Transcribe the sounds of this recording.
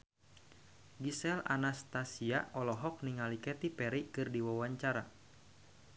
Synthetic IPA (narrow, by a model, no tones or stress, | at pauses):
ɡisɛla̰nast̪asiaɔlɔɦɔk̚niŋalikɛt̪ipɛɾikɨrdiwawaɲt͡ʃaɾa